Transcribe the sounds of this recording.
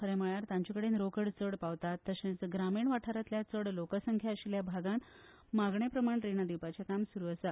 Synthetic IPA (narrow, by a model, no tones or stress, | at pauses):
kʰəɾɛ̃məɭjaɾt̪ãɲt͡ɕikəɽenɾokəɽt͡səɽpaʋt̪at̪ːəɕẽt͡sɡɾamiːɳʋaʈʰaɾat̪ljat͡səɽlokəsəŋkʰjaəɕiljabʱaɡãn | maɡɳepɾəmaɳʈɾenad̪iwpat͡ɕakamsuɾuːəsa